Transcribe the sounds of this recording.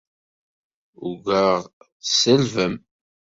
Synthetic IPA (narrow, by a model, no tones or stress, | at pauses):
uɡəʁ | səlvəm